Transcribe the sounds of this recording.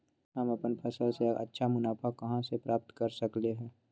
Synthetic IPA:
ɦɐmɐpənpʰɐsəlseɐ̰tːʃʰamʊnaːpʰakɐɦãsepɾʔaːp̚t̪kɐɾsɐkleɦɛ̃ː

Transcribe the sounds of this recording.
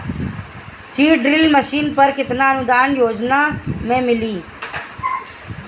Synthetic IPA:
siːɖɾɪlməʃiːnpəɾkɪt̪naənʊd̪aːnjoːd͡ʒnamẽmɪliː

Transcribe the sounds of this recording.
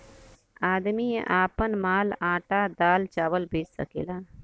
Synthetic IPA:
aːd̪miḛ̃ʔaːpənmaːlãːʈad̪aːlt͡ʃaːʋəlbeːt͡ʃsə̰kḛːlaː

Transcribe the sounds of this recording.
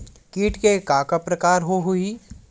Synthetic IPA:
kiːʈkekaːkapɾɐkaːɾɦoɦʊi

